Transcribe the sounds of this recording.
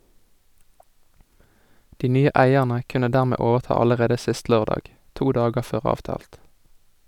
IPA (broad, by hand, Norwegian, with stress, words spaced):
ˈdiː ˈnyːə ˈʔæɪɛʁnə ˈkʉnə ˈdæːʁˌmeː ˈoːʋəʁˌtɑː ˌɑləˈʁeːdə ˈsɪst ˈløːʁdɑːɡ ˈtuː ˈdɑːɡəʁ ˈføːʁ ˈɑːʋˌtɑːlt